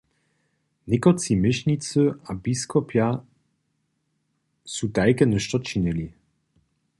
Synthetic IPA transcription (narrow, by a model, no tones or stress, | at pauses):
nekɔtt͡simɪɕɲit̪t͡s̪əabiskɔpja | sutajkɛnəʃt̪ɔt͡ɕinɘlʲi